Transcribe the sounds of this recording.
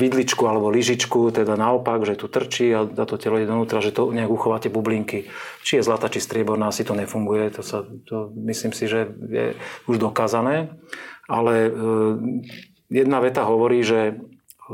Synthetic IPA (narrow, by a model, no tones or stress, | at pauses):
ʋid̪lit͡ʃkualɛbɔliʒit͡ʃkut̪ɛd̪anaɔpaɡʒɛt̪ut̪r̩t͡ʃiat̪at̪ɔcɛlɔiɟɛd̪ɔnuːt̪ɾaʒɛt̪ɔɲɛaɡuxɔʋaːcɛbubliŋkit͡ʃijɛzlat̪aːt͡ʃist̪ɾɪɛbɔɾnaasit̪ɔɲɛfuŋɡujɛt̪ɔsat̪ɔmisliːmsiʒɛjɛ̰uʒd̪ɔkaːzanɛː | alɛ | jɛd̪naʋɛt̪aɦɔʋɔɾiːʒɛ